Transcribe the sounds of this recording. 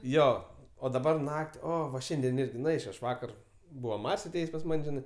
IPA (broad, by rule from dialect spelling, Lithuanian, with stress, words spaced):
ˈjoː oː dɐˈbɐr ˈnɐkʲtʲ ˈoː ʋɐ ˈʃʲɛnʲdʲiɛn ˈɪrʲɡʲɪ nʊ ˈɛɪt͡ʃʲoː ɐʃ ˈʋɑːkɐr ˈbuːʋɐ ˈmɐrʲsʲ ɐˈtʲeːjeːsʲ pɐs ˈmɐnʲ ˈʒʲɪnɐɪ